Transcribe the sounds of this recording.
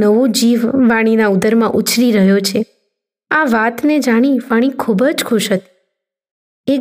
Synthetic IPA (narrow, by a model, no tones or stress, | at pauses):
nəʋod͡ʒiʋːaɽ̃inaud̪əɾmãʔʊt͡ʃʰɾiɾəɦjot͡ʃʰe | aʋat̪ned͡ʒaɽ̃iʋaɽ̃ikʰubəd͡ʒkʰʊʃɦət̪i̥ | e